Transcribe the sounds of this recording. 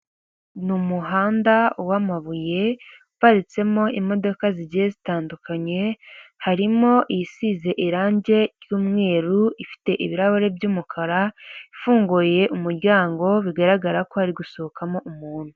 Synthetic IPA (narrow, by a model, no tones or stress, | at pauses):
numuɦaːndawamaβuje̞upaɾit͡se̞mo̞imo̞do̞kaziɟijezitaːndukaɲe̞haɾimo̞ʔijisize̞ʔiɾaːɲɟe̞ɾjuːmŋe̞ːɾuifi̥te̞ʔiβiɾaβoɾe̞bjuːmukʰaɾaifuːŋɡuje̞ʔumuɾɟaːŋɡo̞βiɡaɾaɡaɾako̞haɾiɡusookamo̞ʔumuːn̥hu